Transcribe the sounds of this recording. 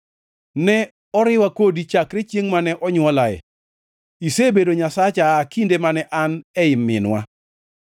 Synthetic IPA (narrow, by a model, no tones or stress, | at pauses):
nɛ | ɔɾɪwakodit͡ʃakɾet͡ʃjeŋmanɛʔɔɲwɔlaɛ̰ | isebedoɲasat͡ʃakindemanɛʔanɛɪmːɪ̰nwa̰